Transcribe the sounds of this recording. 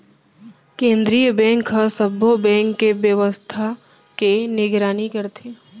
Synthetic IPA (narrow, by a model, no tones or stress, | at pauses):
kẽːnd̪ɾijəbɛ̃ːŋkɦɐsɐbʱobɛ̃ːŋkːeʋjəʋəst̪ʰa | kenɪɡɾaːnikɐɾt̪ʰeː